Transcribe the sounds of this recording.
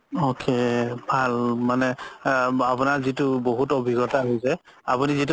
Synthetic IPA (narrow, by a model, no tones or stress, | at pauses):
okʰebʱalmanɛ | apunaɹzitʊboɦutobʱiɡɔtaɦojsɛapunizit̬